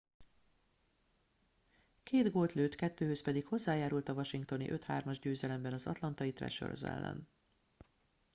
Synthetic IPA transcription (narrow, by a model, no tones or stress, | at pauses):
keːd̪ɡoːlt̪løːt̪kɛt̪ːøːhøspɛd̪ikho̞zːaːjaːɾult̪ɒvɒʃiŋkt̪o̞nḭʔøt̪ha̰ːrmɒʒɟøːzɛlɛmbɛnɒzɒ̰t̪lɒnt̪ɒjit̪rɛ̰ʃø̰rzɛ̰lːɛ̰n